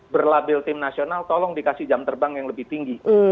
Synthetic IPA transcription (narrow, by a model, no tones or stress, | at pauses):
bərlabɪlt̪ɪmnasionalt̪ɔlɔŋdikasɪd͡ʒamt̪ərbaŋjaŋləbɪht̪iŋɡi